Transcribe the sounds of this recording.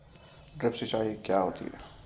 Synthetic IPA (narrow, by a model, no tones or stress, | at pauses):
ɖɾɪpset͡ʃaːɦikjaɦoːt̪ḭɦɛ̰